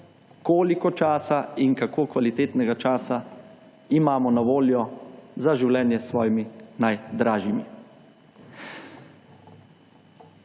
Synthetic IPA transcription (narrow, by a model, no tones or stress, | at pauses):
koːlikɔt͡ʃaːsainkakoːkʋalit̪eːt̪nɛɡat͡ʃaːsa | imaːmɔnaʋoːljɔzaʒiwlɛːnjɛsʋɔːjiminajd̪ɾaːʒimi